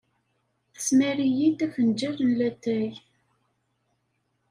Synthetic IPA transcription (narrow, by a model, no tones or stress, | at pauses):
smæɾijit̪æfənd͡ʒæɾˤənlæt̪ːæj